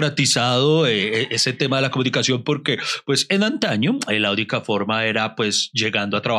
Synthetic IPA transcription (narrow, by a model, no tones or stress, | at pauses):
ɾat̪isaðo̞eeese̞t̪emaðe̞lako̞munikasjo̞mpo̞ɾke̞pwe̞se̞nant̪aɲo̞elaunikafo̞ɾmae̞ɾapwe̞sd͡ʒe̞ɣand̪oat̪ɾaβ